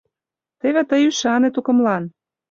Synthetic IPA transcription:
t̪eβĕt̪əjyʃɑnet̪ukɤ̆mlɑn

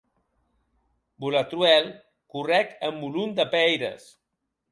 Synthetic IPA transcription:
bulat̪ɾuɛlˠ | kurɛkəmːulund̪əpɛjɾə̰s

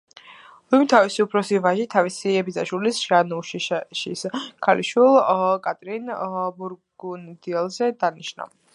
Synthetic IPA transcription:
lumit̪ʰavisiupʰɾɔsivaʒit̪ʰavisiɛbizaʃulisʒ̥anuʃiʃiskʰaliʃwilˠkʼat̪ʼɾinbuɾɡ̥und̪iɛlˠzɛd̪aniʃna̰

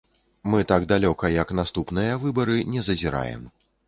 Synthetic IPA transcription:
mɨt̪aɡd̪alʲɔkɐjɐknast̪upnɨjɐvɨbɐɾɨnʲɛzɐzʲiɾa̰jɛ̰m

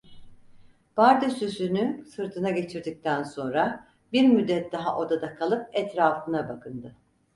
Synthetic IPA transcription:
b̥aɾd̪ysysynysɯɾt̪ʰɯnaɟe̞t͡ʃʰiɾd̪ic̚t̪ʰænso̞nɾa | biɾmyd̪ːɛt̪̚d̪aɦaʔo̞d̪ad̪akʰalˠɯp̚ɛt̪ɾaːfɯnabakʰɯnd̪ɯ

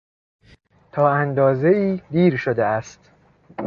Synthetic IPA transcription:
t̪ʰɒːænd̪ɒːze̞iːd̪iːɾʃod̪eæst̪

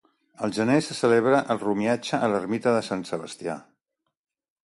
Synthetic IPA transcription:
əlˠʒənesəsəleβ̞ɾəʔəlˠrumiad͡ʒəʔːlərmit̪əðəsansəβəst̪ia̰

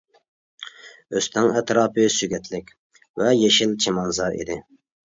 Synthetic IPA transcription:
øst̪ʰɪŋɛt̪ɾɑːpʰɨsyɡʲɛt̪ʰlɪkʲ | vɛjeʃɪlt͡ʃʰemɑnzɑɾḭd̪ɪ

